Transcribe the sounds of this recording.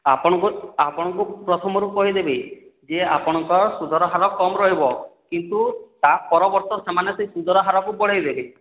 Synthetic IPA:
apɔɽ̃ɔkuapɔɽ̃ɔŋkupɾɔt̪ʰɔmɔɾukɔɦid̪ebed͡ʒeapɔɽ̃ɔŋkɔɾɔsud̪ʱɔɾɔɦaɾɔkɔmɾɔɦibɔkint̪ut̪apɔɾɔbɔɾt̪ɔsemanesesud̪ʱɔɾɔɦaɾɔkubɔɭ̤ejd̪ebe

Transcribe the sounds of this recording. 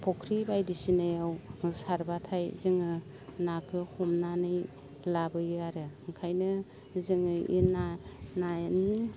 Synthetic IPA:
pʰɔkʰɾibajdisinajawsaɾbatʰajzɯŋɯ | nakʰɯhɔmnanɯj | labɯjaɾɯɯŋkʰajnɯ | zɯŋɯḭnanajni

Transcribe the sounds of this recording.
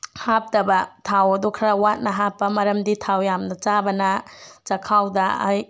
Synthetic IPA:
hap̚tɐbɐtʰawɐdukʰɾawat̚nɐɦapːɐmɐɾɐmditʰawjamnɐt͡ʃabɐnɐt͡ʃɐkʰawdɐa̰j

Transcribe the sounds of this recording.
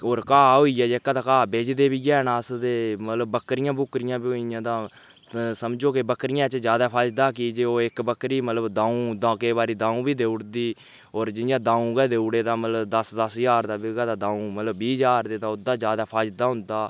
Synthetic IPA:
oːɾkaːɦoːiːɛːd͡ʒeːkːaːd̪aːkaːbeːd͡ʒd̪eːbiːɡɛːnaːsd̪eːmət̪ləbːəkɾɪjãːbʊkɾɪjãːbiojãːd̪ãː | səmd͡ʒoːkɪbəkɾɪjãːt͡ʃd͡ʒjaːd̪aːpʰaːd͡ʒd̪aːk̬ɪd͡ʒeːoːɪkbəkɾiːmət̪ləbd̪ãːũːd̪ãːkeːbaːɾiːd̪ãːũːbiːd̪eːʊɽd̪iː | oːɾd͡ʒɪjãːd̪ãːũːɡɛːd̪eːʊɽeːd̪aːmət̪ləd̪əsd̪əsjaːɾd̪aːbɪɡaːd̪aːd̪ãːũːmət̪ləbːiːd͡ʒaːɾd̪eːd̪aːʊd̪ːaːd͡ʒjaːd̪aːpʰaːd͡ʒd̪aːɦʊ̃nd̪aː

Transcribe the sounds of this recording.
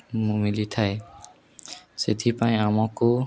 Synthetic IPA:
mũmilit̪ʰae | set̪ʰipaĩamɔko

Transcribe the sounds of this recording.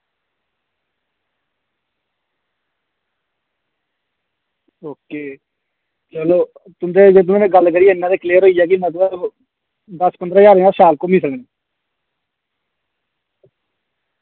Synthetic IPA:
oːkeː | t͡ʃəloː | t̪ʊnd̪eːd͡ʒet̪ʊnːnẽːɡəlkəɾiːɪnːãːd̪eːkleːɾɦoːiːjɛːkimət̪bə | d̪əspənd̪ɾaːjaːɾẽaːsaːlkomĩːsəkneː

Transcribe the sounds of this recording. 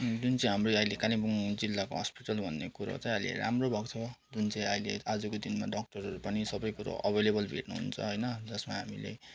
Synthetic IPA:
d͡zunt͡saĩɦamrojʌilekalibuŋd͡zilːako̰ɦʌ̰spiʈʌlbʱʌnːekuɾʌ̰t͡saj̃ʌjlḛɾa̰mrobʱʌkt͡sʰʌd͡zunt͡sʌĩʌjlead͡zʌkod̪inma̰ɖʌk̚ʈʌrɦʌɾupʌnisʌbʌjkuɾa̰ʔʌbʱelebʌlbʱḛʈnṵɦṵnt͡sʰʌ̰ɦʌjnʌd͡zʌsmaɦamḭlḛ

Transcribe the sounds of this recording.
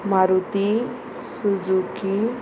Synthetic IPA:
maɾut̪i | sud͡zuki

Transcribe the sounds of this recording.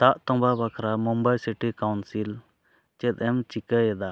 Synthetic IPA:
t̪aʔt̪ɔbabakʰɾamumbajsiʈikawnsil | t͡ʃɛt̪̚ˀɛmt͡ʃikəjɛd̪a

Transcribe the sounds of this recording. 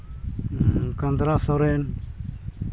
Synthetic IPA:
kand̪ɾasɔɾɛn

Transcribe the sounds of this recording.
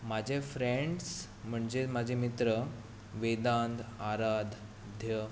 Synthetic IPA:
mad͡ʑʱefɾeɳɖs | m̤əɳd͡zemad͡ʑʱemit̪ɾə | ʋed̪ãnd̪aɾad̪ | d̪ʱjə

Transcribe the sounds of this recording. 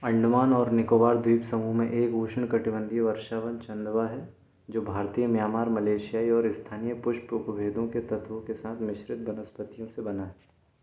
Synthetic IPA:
ɐ̃ɳɖʊmaːnɔːɾnɪkoːʋaːɾd̪ʱwiːpsɐmumẽʔeːkuːʃəɳkɐʈɪbə̃nd̪ʱiʋɐɾʃaːʋənt͡ʃɐ̃nd̪ʋaɦɛ | d͡ʒoːbʱaːɾt̪ijəmjaːmaːɾmɐleːʃijaːiɔːɾɪst̪ʰaːnijəpʊʃpɾʊpəbʱeːd̪õket̪ɐt̪ʋõkesaːt̪ʰmɪʃɾɪt̪̚bɐnəspət̪ijõsebɐnaɦɛ

